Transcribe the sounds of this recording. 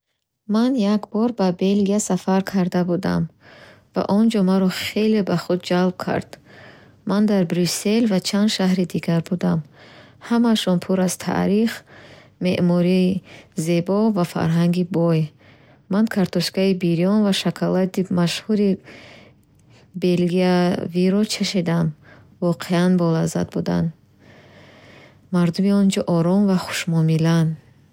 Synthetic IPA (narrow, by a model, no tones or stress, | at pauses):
manjakbɔɾbabe̞lɡiasafaɾkʰaɾd̪abud̪a̰m | va̰ʔɔnd͡ʒɔmaɾɔχe̞lebaχud̪̚d͡ʒalb̥̚kʰa̰ɾd̪̥ | mand̪aɾbɾuse̞lvat͡ʃʰand̪ʃaɦɾid̪iɡaɾbud̪am | hamaʃɔnpʰuɾaz̥t̪ʰa̰ʔɾiχ | me̞ʔmɔɾize̞bɔvafa̰ɾɦaŋɡibɔj | mankʰaɾt̪ʰɔʃɡaibiɾiɔnvaʃakʰalad̪imaʃhuɾi | be̞lɡiaviɾɔt͡ʃʰaʃid̪am | vɔqʰeanbɔlaza̰d̪̚bud̪a̰n | maɾd̪umiɔnd͡ʒɔʔɔɾɔmvaχu̥ʃmɔmilan